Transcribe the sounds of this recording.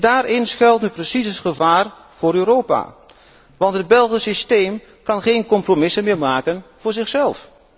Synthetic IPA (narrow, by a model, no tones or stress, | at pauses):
daːɾɪnsχɛlˠtnyprəsisəχəvaːr | v̥ʊːɾøɾowpa̰ | ʋɑntɦəd̚bɛlˠχəsistejm | kɑnχejnkɔmpromɪsənmɪːɹmaːkənv̥ʊːɹzɪχsɛlˠf